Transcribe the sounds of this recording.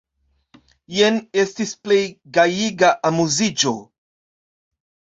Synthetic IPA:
jenestisplejɡajiɡaʔamuzid͡ʒo

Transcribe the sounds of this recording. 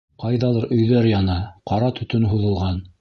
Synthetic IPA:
qɑjðɑlˠɤɾʔɵ̆jðæɾjɑnɑqɑɾɑt̪ʰɵ̆t̪ɵnɦuðɤ̆lˠʁɑn

